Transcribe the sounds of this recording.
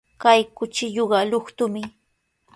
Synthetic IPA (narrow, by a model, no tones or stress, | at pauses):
kajkʊt͡ʃɪʎoɢɑlʊχt̪ʊmɪ